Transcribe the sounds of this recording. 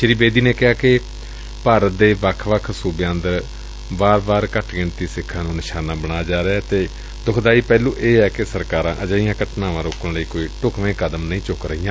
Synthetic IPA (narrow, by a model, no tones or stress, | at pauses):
ʃəɾiːbeːd̪iːneːkɪɦaːkɪ | paːɾəd̪eːʋəkʰʋəkʰsuːbeə̃nd̪əɾ | baːɾbaːɾkəʈʰɡɪɳt̪iːsɪkʰːãːnũːnɪʃaːnãːbəɽaːd͡ʒaːɾeɛːt̪eː | d̪ʊkʰd̪aːiːpɛːluːʔeːɛːkɪsəɾkaːɾã̰ːʔəd͡ʒaːijãːkəʈnãːʋãːɾoːkənləiːkoːiːʈʊkʰʋẽːkəd̪əmnəĩːt͡ʃʊkɾəɦijãː